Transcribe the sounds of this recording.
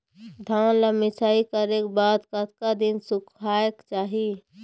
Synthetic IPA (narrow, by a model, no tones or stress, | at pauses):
d̪ʱaləmɪsaːikəɾekbaːd̪kət̪kad̪insʊkʰaːəkt͡ʃaːɦi